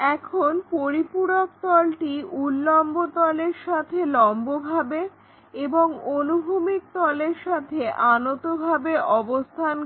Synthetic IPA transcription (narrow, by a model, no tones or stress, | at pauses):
ɛkʰonpoɾipuɽok̚t̪ɔlʈiulːɔmbot̪ɔleɾʃat̪ʰelɔmbobʱabe | eboŋonubʱumik̚t̪ɔleɾʃat̪ʰeʔanot̪obʱabeʔɔbost̪ʰan